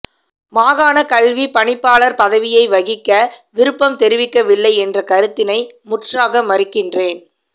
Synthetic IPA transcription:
maːɣaːnɐkɐlʋipɐɳɪpːaːɭɐɾpɐðɐʋɪjɐɪʋɐɣɪkːɐʋɪɾɯpːɐmt̪ɛɾɪʋɪkːɐʋɪlːɐɪɛndrɐkɐɾɯt̪ːɪnɐɪmʊʈraːɣɐmːɐɾɪkːɪndreːn

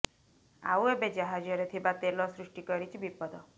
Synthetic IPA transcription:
a̰webed͡ʒaɦad͡ʒɔɾet̪ʰibat̪elɔsɾuʂʈikɔɾit͡ʃʰibipɔd̪ɔ

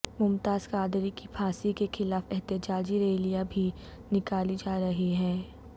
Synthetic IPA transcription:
mʊmt̪aːzkaːd̪ɾikipʰaːsikexɪlaːfɛɦt̪ɪd͡ʒaːd͡ʒiɾeːlijabʱi | nɪkaːlid͡ʒaːɾɐɦiɦɛː

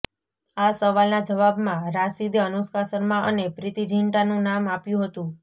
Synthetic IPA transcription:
asəʋalnad͡ʒəʋabmãɾasid̪jəənuskasəɾmãʔə̰nepɾɪt̪id͡ʒʱiɳʈanũnamapjũɦət̪ũ

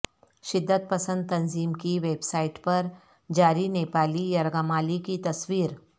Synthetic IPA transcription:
ʃɪd̪ʱːət̪̚pɐsə̃nd̪̚t̪ɐ̃nziːmkiʋeːbsaːɪʈpɐɾ | d͡ʒaːɾineːpaːlijɐɾɡamaːlikit̪ɐswiːɾ

